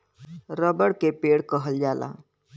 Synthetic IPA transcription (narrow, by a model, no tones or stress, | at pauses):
ɾəbəɽkepeɽkəɦəld͡ʒala̰